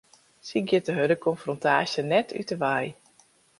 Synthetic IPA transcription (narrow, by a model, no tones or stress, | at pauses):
siɡjɪtəɦødəkɔnfrontaːsjənɛtʰy̰təʋɛj